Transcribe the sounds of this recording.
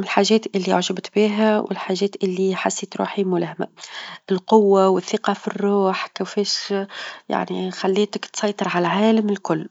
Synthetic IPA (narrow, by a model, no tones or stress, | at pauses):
mɪlħaːʒɛːt̪ʔɪlːiʕʊʒəbt̪biːɦæwʔɪ̰lħaːʒɛːt̪ʔɪlːiħasːiːt̪ɾṵːħimʊlæhmæ̰ʔɪlqʊwːawɪθːɪqɑfirːuːħkɪfɛːʃ | ja̰ʕnixalːiːt̪ɪkt̪sˤɑjt̪ˤɨɾʕalʕaːlamɪlkʊlː